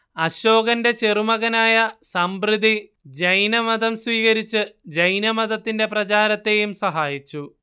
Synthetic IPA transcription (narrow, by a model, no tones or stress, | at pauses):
ɐɕo̞ːɡɐnde̞t͡ɕerumɐɣɐnaːjɐsɐmbrid̪i | d͡ʑɐjnɐmɐd̪ɐmswiːɣɐɾit͡ɕːɨd͡ʑɐjnɐmɐðɐt̪ːinde̞prɐt͡ɕaːɾɐt̪ːe̞ːjumsɐɦaːjit͡ɕːu